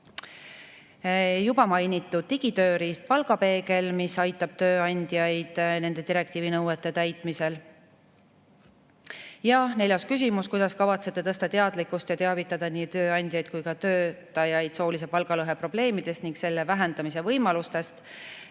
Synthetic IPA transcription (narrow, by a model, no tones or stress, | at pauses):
jubɑmɑjnit̪ːˑud̪̥̚t̪iɡ̥it̪ø̞ːɾist̪̚pɑlɡɑpe̞ːke̞lmisɑjt̪ːˑɑb̥̚t̪ø̞ːɑnʲd̪̥jɑjd̪̥ne̞nd̪e̞d̪iɾe̞k̚t̪iːvinɤwet̪ˑːe̞t̪æjt̪ˑmise̞l | jɑne̞ljɑskys̬ʲimuskujd̪̥ɑskɑvɑt̪se̞t̪ːˑe̞t̪ɤ̞st̪ɑt̪e̞ɑd̪likːˑust̪jɑt̪e̞ɑvit̪ːˑɑd̪̥ɑniːt̪øːɑnʲd̪̥ʲjɑjd̪̥̚kujkɑt̪ø̞ːt̪ːˑɑjɑjd̪̥so̞ːlis̬e̞pɑlɡɑlɤɦe̞pro̞b̥le̞ːmid̪̥e̞st̪niŋɡkse̞lːe̞væɦend̪̥ɑmise̞vɤjmɑlust̪e̞st̪